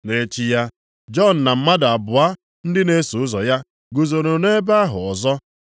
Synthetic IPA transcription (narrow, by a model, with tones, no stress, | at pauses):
ne˦t͡ʃi˦ja˦ | d͡ʒɔ˦˨n̩˨na˨m̩˦ma˦da˨bʊ˨a˦ | n̩˦dɪ˦ne˦su˨ʊ˦zɔ˨ja˦ | ɡu˨zo˨ɾo˨ne˦ba˦ɦʊ˨ɔ˨zɔ˦